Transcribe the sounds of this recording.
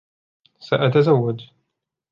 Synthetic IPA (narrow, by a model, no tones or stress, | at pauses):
saʔat̪azawːad̪